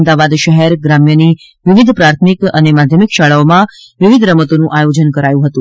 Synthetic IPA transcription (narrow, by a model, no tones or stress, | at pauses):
md̪aʋad̪ʃəɦɛɾɡɾamjəni | ʋɪʋid̪ʱpɾaɾt̪ʰmikənemad̪ʱjəmikʃaɭaomã | ʋɪʋid̪ʱɾəmət̪onũʔajod͡ʒənkəɾajũɦət̪ũ